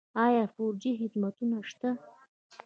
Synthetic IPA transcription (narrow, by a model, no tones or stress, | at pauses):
ɑjɑfoɾd͡ʒiɦɪd̪mat̪unaʃt̪a